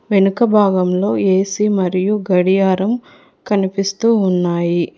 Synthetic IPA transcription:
ʋenukɐbʱaːɡɐmlo̞ːeːsimɐɾijuɡɐɽijaːɾɐm | kɐnipist̪uːnːaːji

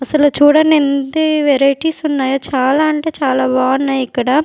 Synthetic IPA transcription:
ɐsɐlut͡ʃuːɽɐnend̪iʋɛɾɐjʈiːsunːaːjoːt͡ʃaːlaːɐɳʈe̞ːt͡ʃaːlaːbaːɐnːaːjikːɐɽa

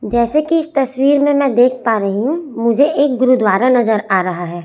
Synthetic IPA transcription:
d͡ʒɛːsekiɪst̪ɐswiːɾmẽmɛ̃ːd̪eːkʰpaːɾɐɦiɦũmʊd͡ʒʱeʔeːk̚ɡʊɾud̪waːɾanɐzəɾaːɾɐɦaɦɛː

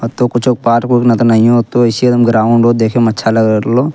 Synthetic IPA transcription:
t̪okʊt͡ʃʰok̚paːʈkuknɐt̪onɐɦĩot̪oɪsiɐd̪ɐmɡɾaːʊɳɖoːd̪eːkʰemɐtːʃʰalɐɡɾloː

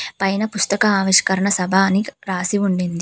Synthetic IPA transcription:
pɐjnɐpust̪ɐkɐaːʋiʃɐ̥kɐɾɐɳɐsɐbʱaniɾaːsiuɳɖind̪i

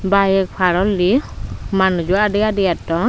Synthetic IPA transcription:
bajɛk̚pʰaɾɔlːimanud͡ʒuadɛɡadɛjatːɔ

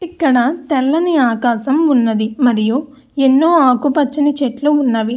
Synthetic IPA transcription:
ikːɐɽɐt̪ɛlːɐniaːkaːʃɐmunːɐd̪imɐɾiju | enːoːaːkupɐt͡ʃːinit͡ʃeʈluunːɐʋi

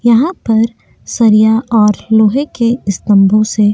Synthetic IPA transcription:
jɐɦãpɐɾ | sɐɾijaɔːɾloːɦekeɪst̪ə̃mbʱõse

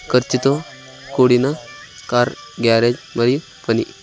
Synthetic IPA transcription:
kəɾt͡ʃit̪o | koɽinakaɾɡaɾed͡ʒməɾi | pənḭ

